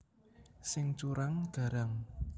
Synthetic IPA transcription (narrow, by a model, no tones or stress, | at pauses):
sɪŋt͡ʃuɾaŋd̪̥ä̤ɾaŋ